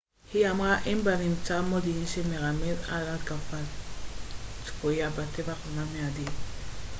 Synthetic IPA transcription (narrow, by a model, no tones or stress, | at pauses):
hiamʁaʔimbanimt͡samod̪iniʃemeʁameza̰latkafal | t͡skojabat̪evaχunameadi